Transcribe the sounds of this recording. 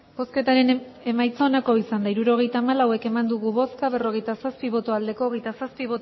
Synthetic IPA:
bo̞ske̞t̪aɾe̞n | e̞majt͡so̞ːnako̞isand̪aiɾuɾo̞ɣ̞e̞jt̪aːmalawe̞ke̞mand̪uɣ̞uβo̞skaβ̞e̞ro̞ɣe̞jt̪asaspiβ̞o̞t̪o̞ald̪e̞ko̞ːɣe̞jt̪asaspiβot̪

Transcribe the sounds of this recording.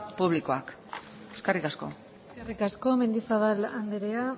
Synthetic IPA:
puβ̞liko̞ak | e̥skarikasko̞̰ | eskerikasko̞me̞nd̪isaβaland̪eɾea

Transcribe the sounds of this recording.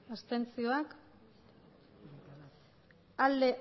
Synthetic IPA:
ast̪e̞nt͡sio̞ak | ald̪e̞

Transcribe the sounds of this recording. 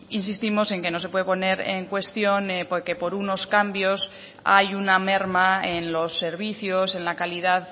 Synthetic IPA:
insist̪imo̞se̞ŋke̞no̞sepwe̞ðpo̞ne̞ɾḛŋkwe̞st̪jo̞npoke̞po̞ɾuno̞skambjo̞s | ajuname̞ɾmaenlo̞sːe̞ɾβ̞iθjo̞se̞nlakaliðað

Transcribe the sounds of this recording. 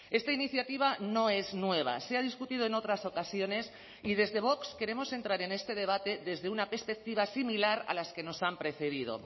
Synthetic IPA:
e̞st̪ainiθjat̪iβ̞ano̞e̞znwe̞β̞a̰seað̞iskut̪ið̞oe̞no̞t̪ɾaso̞kasjo̞ne̞s | ið̞e̞zðe̞β̞o̞kske̞ɾe̞mo̞se̞nt̪ɾaɾe̞ne̞st̪e̞ð̞e̞β̞at̪e̞ðe̞zðe̞unape̞ɾspe̞k̚t̪iβasimilaɾa̰laske̞no̞sampɾe̞θe̞ðið̞o̰

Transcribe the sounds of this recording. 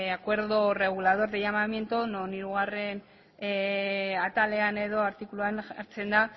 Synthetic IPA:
akwe̞ɾðore̞ɣ̞ulað̞o̞ɾðeʝamamje̞nt̪uno̞niɾuɣ̞are̞n | at̪ale̞ane̞ðo̞aɾt̪ikuluana̰ɾt͡se̞nd̪a

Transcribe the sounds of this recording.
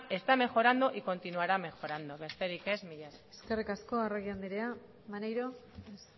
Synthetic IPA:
e̞st̪ame̞xo̞ɾand̪oʔiko̞nt̪inuaɾame̞xo̞ɾand̪oβe̞st̪e̞ɾike̞zmiʎese̞ske̞rikasko̞areɣ̞iand̪iɾe̞a | manejɾo̞ | es

